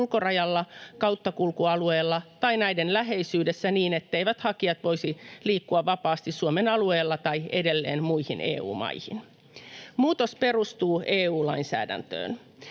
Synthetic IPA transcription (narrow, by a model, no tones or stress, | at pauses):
lko̞rɑjɑlːɑkɑwt̪ːɑkulkuɑlue̞ːlːɑt̪ɑinæidenlæɦe̞jsyːdesːæniːne̞t̪ːeijʋæt̪hɑkiɑt̪ʋo̞isiliːkːuɑʋːɑpɑːst̪isːuome̞nɑlue̞ːlːɑt̪ɑiede̞lːḛːnmuihinʔḛːṵːmɑ̰ihḭn | muːt̪o̞spe̞rust̪uːʔeːuːlɑinsæ̰ːdæ̰nt̪ø̰ːn